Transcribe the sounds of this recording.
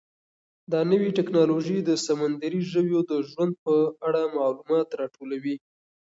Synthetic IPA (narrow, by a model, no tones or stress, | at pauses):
d̪ɑnəwiʈɪknɑloʒid̪əsamand̪aɾiʒəwjod̪əʒwand̪̚pəaɽamɑlumɑt̪ɾɑʈolawi